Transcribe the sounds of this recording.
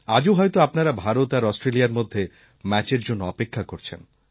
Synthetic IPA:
ad͡ʑoɦɔjt̪oapnaɾabʱaɾot̪aɾɔsʈɾeliaɾmod̪ʱːe | mɛt͡ɕeɾd͡ʑonːoɔpekʰːakoɾt͡ɕʰḛn

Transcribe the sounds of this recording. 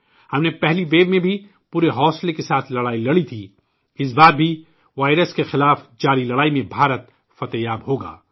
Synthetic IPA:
hɐmnepɛɦliʋeːbmẽbʱi | puːɾeɦɔːslekesaːt̪ʰlɐɽaːilɐɽit̪ʰiː | ɪs̬baːd̪̚bʱi | ʋaːɪɾəskexɪlaːfd͡ʒaːɾilɐɽaːimẽbʱaːɾət̪ | fɐt̪ejaːbɦoːɡa̰ː

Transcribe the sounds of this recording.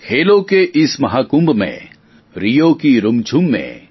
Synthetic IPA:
kʰeːlokeʔɪsmɐɦaːkʊmbmḛ̃ | ɾijokiɾʊmt͡ʃʰumːḛ̃

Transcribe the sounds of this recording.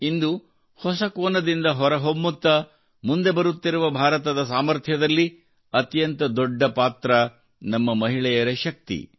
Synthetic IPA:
ind̪u | hɔsɐkoːnɐd̪ind̪ɐɦɔɾɐɦomːut̪ːɐ | mund̪e̞bɐɾut̪ːiɾuʋɐbʱaːɾɐt̪ɐd̪ɐsaːmɐɾt̪ʰjɐd̪ɐlːi | ɐt̪jɐnt̪ɐd̪ɔɖːɐpaːt̪ɾɐ | nɐmːɐmɐɦiɭɛjɐɾɐʃɐk̚t̪ḭ

